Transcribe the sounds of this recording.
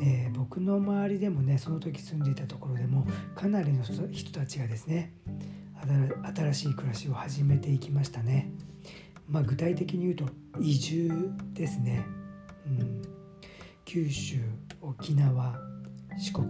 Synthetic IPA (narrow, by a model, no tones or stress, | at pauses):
eːbo̞kɯ̟no̞maβaɾʲid̪e̞mo̞ne̞so̞no̞t̪o̞k̬ʲi̥sɨ̃nd̪e̞it̪at̪o̞ko̞ɾo̞d̪e̞mo̞kʰanaɾʲino̞çi̥t̪o̞̥t̪at͡ɕiɡad̪e̞sɨne̞ | at̪aɾaɕiːkɯ̟ɾaɕio̞haʑime̞t̪e̞ikʲimaɕi̥t̪ane̞ | maːɡɯ̟t̪ait̪e̞kʲiɲ̟ijɯ̟ːt̪o̞ | iʑɨːd̪̥e̞sɨne̞ | ɯ̃ | kʲʰɨːɕɨːo̞kʲinaβa | ɕi̥ko̞k